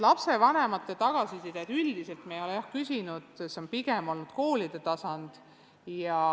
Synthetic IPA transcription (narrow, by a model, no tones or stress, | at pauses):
lɑpse̞vɑne̞mɑt̪ːˑe̞t̪ɑɡ̥ɑsisid̪ed̪yld̪̥ise̞lt̪mejo̞lejɑhkysʲinud̪̥seonpiɡe̞mo̞lnud̪̥ko̞ːlid̪̥e̞t̪ɑsɑnd̪̥ | jɑ